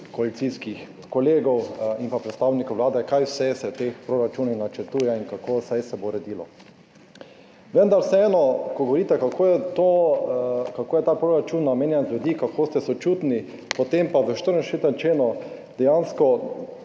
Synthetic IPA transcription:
koalit̪siskix | kɔleːɡɔwimpapɾɛt̪st̪aːwnikowʋlaːd̪ɛkajwsɛsɛt̪expɾoɾat͡ʃuːninat͡ʃəɾt̪uːjɛiŋkakosɛjsɛboɾɛd̪iːlɔ̰ | ʋənd̪aɾsɛɛːnɔkoɡoɔʋɔɾiːt̪ɛkakʰoːjɛt̪o | kakoːjɛt̪aːpɾoɾat͡ʃuːnːameːnjɛnzlud̪ikakʰoːst̪ɛsot͡ʃuːt̪ni | pot̪empaʋəʃt̪əɾnɛsʃet̪ɛnt͡ʃeːnɔ | d̪̥ɛjaːnskɔ

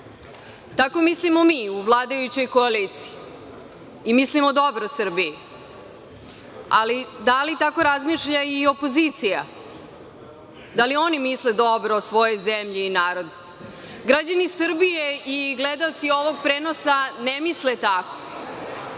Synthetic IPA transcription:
t̪ako̞mislimomiuʋlˠaːd̪ajut͡ɕo̞jko̞alit̪si̥iː | mislimod̪obɾosr̩biji | alid̪alit̪ako̞ɾazmiʃʎaio̞po̞zit̪sija | d̪alio̞nimisled̪obɾoosʋo̞jojzemʎiːnaːɾo̞d̪u | ɡɾad͡ʑanisr̩bijeiɡlɛd̪aot̪sio̞ʋoɡ̚pɾeːnosanemislet̪ako̥

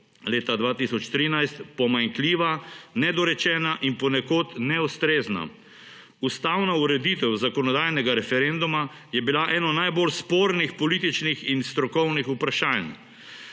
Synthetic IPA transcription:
leːt̪ad̪ʋaːt̪isɔt͡ʃt̪ɾiːnajst̪pɔmaŋkliːʋanɛd̪ɔɾɛt͡ʃɛːnaʔinpɔnɛkoːt̪nɛust̪ɾeːzna̰ | ust̪awnauɾɛd̪iːt̪ɛwzakɔnɔd̪ajnɛɡaɾɛfɛɾend̪uma | jɛbilaʔɛːnɔnajbolspoːɾnixpɔliːt̪it͡ʃnixinst̪ɾɔkɔwnixupɾaʃaːn

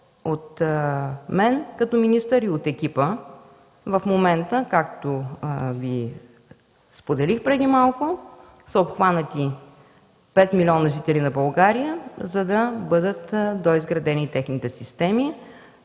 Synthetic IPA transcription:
ot̪ | mɛnkɐt̪ɔminist̪əɾiot̪ɛkʲipə | vɐfmomɛnt̪əkak̚t̪ovi | spod̪ɛlixpɾɛd̪imalˠkʊ | səopxvanət̪i | pɛt̪milʲɔnəʒit̪ɛlinɐbɐlˠɡaɾijəzɐd̪ɐbɤd̪ət̪d̪oizɡɾɐd̪ɛnit̪ɛxnit̪ɛsist̪ɛmi

